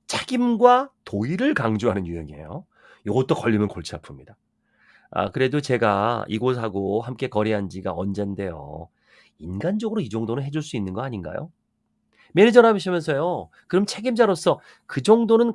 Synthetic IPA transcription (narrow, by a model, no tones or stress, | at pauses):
t͡ɕʰeɡimɡwatoiɾɯɭkaŋd͡ʑuɦanɯnjuɦeŋiḛjo | joɡʌt̚t͈okʌʎːimjʌnkoɭt͡ɕʰiapʰɯmɲida | a̰kɯɾe̞dot͡ɕe̞ɡaḭɡos̬ʰaɡohamk͈e̞kʌɾiɦand͡ʑiɡa̰ʌnd͡ʑende̞jo̰ | inɡand͡ʑʌɡɯɾoid͡ʑʌŋdonɯnɦe̞d͡ʑuɭs͈uinːɯnɡʌaɲinɡa̰jo̰ | meɾɯd͡ʑʌnɦabiɕʰimjʌnsʰʌjo | kɯɾʌmt͡ɕʰe̞ɡimd͡ʑaɾos͈ʌ | kɯd͡ʑʌŋdonɯn